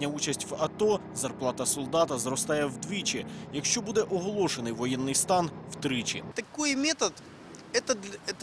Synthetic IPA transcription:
nʲɐut͡ʃɐsʲtʲʋɐt̪ɔ | zɐrplˠɑt̪ɐsɔlˠd̪ɑt̪ɐzrɔst̪ɑjɛwd̪ʋʲit͡ʃɪjɐkʃt͡ʃɔbud̪ɛʔɔɦɔlˠɔʃenɪjʋɔjɛnːɪjst̪ɑnw̥t̪ɾɪt͡ʃɪ̰t̪ɐkɔjmʲɛt̪ɐt̪ | ɛt̪ɐɛt̪

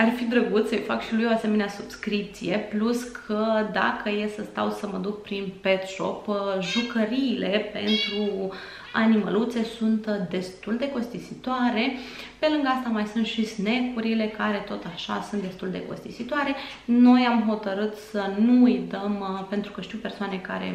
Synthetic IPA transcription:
arfid̪ɾəɡut̪səjfakʃilujoase̞me̞neasub̥skɾip̚t̪sije̞pluskʰəd̪a̰kəje̞səst̪a̰wsəməd̪uk̚pɾinpe̞t̪ʃo̞̰pʒukəɾiːle̞pe̞nt̪ɾu | animə̰lut̪se̞sunt̪d̪e̞st̪uld̪e̞ko̞st̪isit̪oaɾe̞ | pe̞lɨŋɡəast̪amajsunt̪ʃisne̞kuɾile̞kaɾe̞t̪o̞t̪aʃa̰sunt̪d̪e̞st̪uld̪e̞̰ko̞̰st̪isit̪oaɾe̞ | no̞jamɦo̞t̪əɾɨt̪sənuujt̪əmpe̞nt̪ɾu̥kəʃt̪iwpe̞rsoane̞ka̰ɾe̞̰

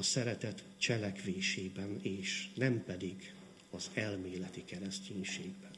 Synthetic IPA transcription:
ɒsɛɾɛt̪ɛt̪ | t͡ʃɛlɛkʋeːʃeːbɛneːʃnɛmpɛd̪iɡ | ɒzɛlmeːlɛt̪ikɛɾɛsceːɲʃeːɡbɛn

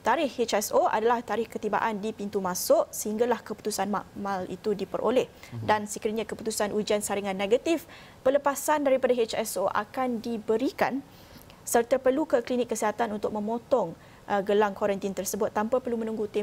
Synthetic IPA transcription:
t̪aɾɪhet͡ʃɛsoʔa̰dalaht̪aɾɪhkət̪iba̰ʔandipint̪umãsʊʔsəhiŋɡalahkəpu̥t̪usanma̰ʔmalḭt̪udipəɾʔo̰lɛhdansəkiɾiɲãkəput̪usanʔud͡ʒiansaɾiŋãnːeɡat̪if | pələpasandaɾipadaɦet͡ʃɛsoʔa̰kandibəɾika̰n | sərt̪əpərlukəklinɪkːəsiɦat̪anunt̪ʊk̚mə̃mot̪ɔŋ | ʔəɡəlaŋkoɾɛnt̪int̪ərsəbʊt̪ːampapərlumə̃nũŋɡut̪e

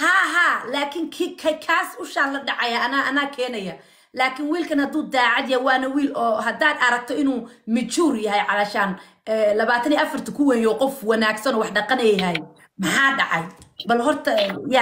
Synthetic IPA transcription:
haːɦaːlaːkʰɪŋkʰikʰɐkʰaːsʊʃalɐɖɑʕɑjaɐnaʔɐnaːkʰɛːnɐjɐ | laːkʰɪnwiːlkʰɐnhɐd̪uːd̪aːʕɑd̪jɐwaːnɐwiːlɔːɦɐd̪aːd̪ɐɾɐk̚t̪ʰɔɪnuːmɪt͡ʃuːrjɐɦɛjʕɑlɐʃan | ɛlɐβaːt̪ʰɐniːʔɐfɐrt̪ʰɐkʰʊwɛjɔːqɔfwɑnaːɡsɐnɔːwɑħɖɑqɑnɛjɦɛj | mɑħɑːɖɑʕɑjbɐlɦɔrt̪ʰɐja

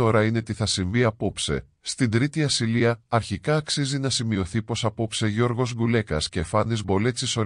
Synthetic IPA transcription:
o̞ɾɐine̞t̪iθɐsiɱviɐpo̞pse̞̰ | st̪ind̪ɾit̪iɐsiliɐɐɾçikɐːksizinɐsimio̞θipo̞sɐpo̞pse̞ʝo̞ɾɣo̞zɡule̞kɐsce̞fɐnizbo̞le̞t͡siso̞

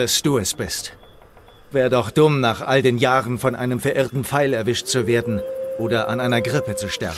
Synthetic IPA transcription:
asd̥uːɛsb̥ɪst | v̥ɛːdɔχd̥ʊmnaːχʔaldeːnjaːʁənfɔnʔa̰ɪnəmfɛɐʔɪɐtn̩p͡faɪlɛɐvɪʃtt͡suveːɐdn̩ʔoːdɐʔa̰nʔaɪnɐɡʁɪpət͡suʃtɛɐbm̩

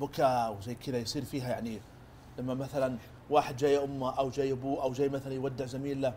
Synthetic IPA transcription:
bʊkaːʔwzajːkɪd̪ajsˤiːɾfiːɦajaʕni | lamːamaθalan | waːħɪd̪̚d͡ʒaːjʔʊmːaʔawd͡ʒaːjʔabuːʔawd͡ʒaːjmaθalanjwad̪ːɪʕzamiːlːa

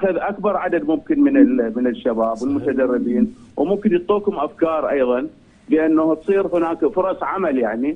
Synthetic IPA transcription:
xʊðʔakbɑɾˤʕad̪ad̪mʊmkɪnmɪnɪlmɪnɪʃːabaːbwɪlmʊt̪ad̪ɑrːɪbiːn | wmʊmkɪnjɨt̪ˤːuːkhʊmʔafkɑːɾˤʔɑ̰jðˤɑn | bɪʔanːahb̪sˤiːɾhɪnaːkfʊɾˤɑsˤʕamaljaʕni

